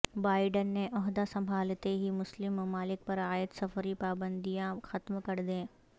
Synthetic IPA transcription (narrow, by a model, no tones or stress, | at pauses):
baːɪɖənːeʔɔɦd̪asɐ̃mbʱaːlt̪eɦimʊslɪmːɐmaːlɪk̚pɐɾaːjət̪sɐfʰəɾipaːbə̃nd̪ijãxɐt̪mkɐɾd̪ẽː